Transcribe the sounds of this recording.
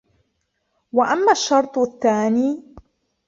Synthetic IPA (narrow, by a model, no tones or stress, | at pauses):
waʔamːaːʃːɑɾˤt̪ˤθːaːniː